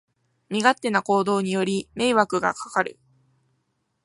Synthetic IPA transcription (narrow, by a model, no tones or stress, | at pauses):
mʲiɡat̪ːe̞nako̞ːd̪o̞ːɲ̟ijo̞ɾʲime̞iβakɯ̟ɡa̰kḁkaɾɯ̟̰